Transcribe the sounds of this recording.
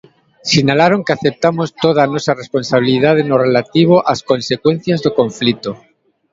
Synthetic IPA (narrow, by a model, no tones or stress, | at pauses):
siɲalaɾo̞ŋkeaθep̚t̪amost̪oð̞anosarespo̞nsaβ̞ilið̞að̞enorelat̪iβ̞oʔaskõ̞nsekwe̞n̟θjazðokõ̞ɱflit̪o